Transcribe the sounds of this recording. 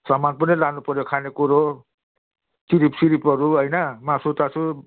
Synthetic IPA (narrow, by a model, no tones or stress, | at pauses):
sʌmanpʌnʌlanupʌɾjokʰanekuɾo | t͡siɾipsiɾipʌɾuɦʌjnʌmasot̪at͡sʰu